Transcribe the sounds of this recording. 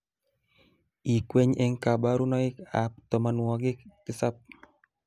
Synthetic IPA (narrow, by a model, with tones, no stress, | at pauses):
i˨kwe˦ɲɛ˦ŋka˨ba˦ɾu˦nɔ˦ɪ˦ka˨p̚t̪ɔ˨ma˨nwɔ˨ɡɪ˦kɪ˦sa˦p̚